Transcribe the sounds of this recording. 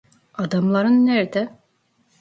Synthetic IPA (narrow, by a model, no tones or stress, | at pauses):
ad̪amlˠaɾɯnːæɾd̪ɛ